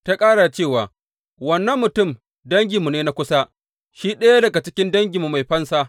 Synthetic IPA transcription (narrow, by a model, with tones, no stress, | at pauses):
ta˦kʼaː˦ɽa˨t͡ʃeː˦˨waː˨ | wɐ˦nːɐ˦mːʊ˨tʊ˦˨m | dɐ˦ŋɡʲi˨mu˨neː˦na˦kʷʊ˦sa˦ | ʃiː˦ɗɐ˦ja˦dɐ˨ɡa˨t͡ʃɪ˦kʲɪ˦ndɐ˦ŋɡʲi˨mu˨ma˨jɸɐ˦nsaː˦